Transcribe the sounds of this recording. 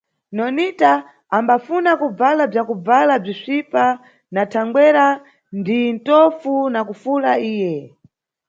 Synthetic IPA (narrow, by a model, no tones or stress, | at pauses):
nɔnita | ambafunakub͡valab͡ʐakub͡valab͡ʐiʂipa | natʰaŋɡwɛɾa | ndintɔfunakufulaiːjɛ